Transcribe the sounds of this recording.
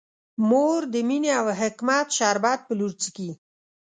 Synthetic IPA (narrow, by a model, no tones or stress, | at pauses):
moɾd̪əmineawɦɪkmat̪ʃɑɾbɑd̪̚pəluɾt͡siki